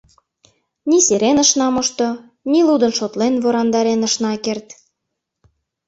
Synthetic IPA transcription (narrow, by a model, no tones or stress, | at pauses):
niseɾenə̆ʃnɑmŏʃt̪o | nilud̪ənʃot̪lenβoɾɑnd̪ɑɾenə̆ʃnɑkert̪